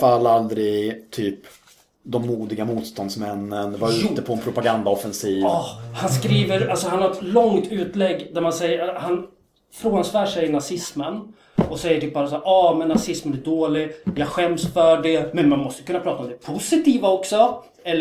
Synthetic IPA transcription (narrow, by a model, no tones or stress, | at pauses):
falːald̪ɾɪt̪ʰyːp | d̪ɔmːuːd̪ɪɡamuːt̪st̪ɔnd̪smɛnːənvaɾʉ̟t̪ːəpʰɔɛnpʰɾʊpaɡand̪aɔfɛnsiːvhanskɾiːvəɾalsɔɦanhaɾɛt̪lɔŋt̪ʉ̟ːt̪lɛɡːd̪æɾmansɛjəhan | fɾoːɡansvæːʂɛjnasɪsmən | ɔsɛjːəʈyːp̚bɑːɾas̬aːɾʔɑːmɛnːasɪsmənæɖoːlɪɡjɑːɧɛmsfœɖɛmɛnmanmɔst̪əkɵnːapɾɑːt̪aɔmd̪ɛpʰʊsɪt̪iːvaɔksɔ | ɛlː